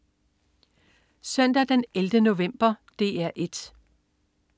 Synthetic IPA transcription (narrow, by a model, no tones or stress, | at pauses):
sœn̰d̥æd̥eneld̥əno̝ʋem̰b̥ɐd̥e̝̰ːæɐ̰ʔe̝d̥